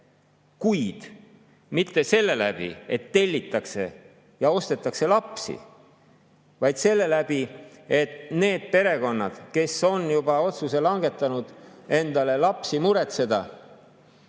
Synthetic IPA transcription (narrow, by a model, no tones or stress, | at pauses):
kujd̪̥ | mit̪ːe̞se̞lːe̞læb̥ḭet̪ːe̞lʲːit̪ːˑɑkse̞ | jɑo̞st̪e̞t̪ːˑɑkse̞lɑpsḭ | vɑjd̪̥se̞lːe̞læb̥ie̞t̪ne̞ːd̪̥̚pe̞ɾe̞ko̞nːɑ̰d̪̥ke̞so̞njub̥ɑo̞t̪suse̞lɑŋɡe̞t̪ːˑɑnud̪̥e̞nd̪̥ɑle̞lɑpsimuɾe̞t̪se̞d̪ɑ